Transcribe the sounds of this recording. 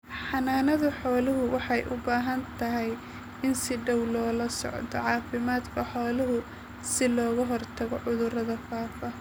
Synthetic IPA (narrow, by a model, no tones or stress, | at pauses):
ħɑnaːnɐðʊħɔːlɪɦʊwɑħɑjʔʊ̰baːɦɐnt̪ʰɐɦɛj | ɪnsɪɖɐwlɔːlɐsɔ̰ʕd̪ɔ̰ʕɑːfɪmaːd̪kʰɐħɔːlɪɦʊ | sɪlɔːɣɐɦɔrt̪ʰɐɣɔʕʊðʊrɐðɐfaːfɐ